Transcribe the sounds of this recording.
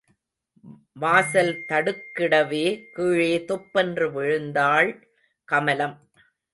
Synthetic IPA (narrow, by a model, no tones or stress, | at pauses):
ʋaːsɐlt̪ɐɽɯkːɪɽɐʋeːkiːɻeːt̪ɔpːɛndrɯʋɪɻɯnd̪aːɭ | kɐmɐlɐm